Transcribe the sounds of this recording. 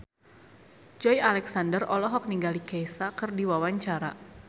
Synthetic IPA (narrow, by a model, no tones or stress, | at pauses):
d͡ʒɔjalɛksandərʔɔlɔɦɔk̚niŋɡalikɛjsakɨrdiwawaɲt͡ʃaɾa̰